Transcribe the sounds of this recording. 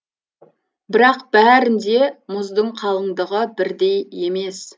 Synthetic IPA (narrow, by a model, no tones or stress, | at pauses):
bɪɾɑqb̥æɾɪnd̪e̞mʊzd̪əɴqʰɑlˠəɴd̪əʁəbɪɾd̪e̞je̞me̞s